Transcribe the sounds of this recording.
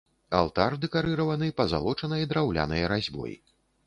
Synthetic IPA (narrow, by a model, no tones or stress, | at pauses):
a̰lˠt̪ard̪ɛkaɾɨɾɐvɐnɨpɐza̰lˠɔt͡ʂɐnɐjɐd̪ɾawlʲa̰nɐjɐɾazʲbɔ̰jḭ